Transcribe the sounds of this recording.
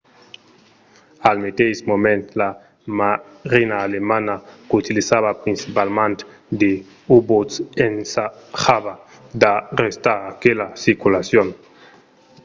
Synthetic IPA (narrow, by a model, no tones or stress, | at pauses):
almet̪esmomẽnt̪la | ma | ɾinaːlemanakut̪ilisaβapɾinsipalmãnt̪ | d̪e | ubot̪sensaxaβa | d̪arest̪aɾakelasiɾkulasjon